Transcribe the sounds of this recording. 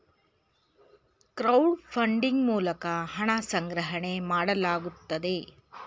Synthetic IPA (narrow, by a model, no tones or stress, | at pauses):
kɾɐwɖpʰɐɳɖiŋɡmuːlɐkɐɦɐɳɐsɐŋɡɾɐɦɐɳemaːɽɐlaːɡut̪ːɐd̪e̞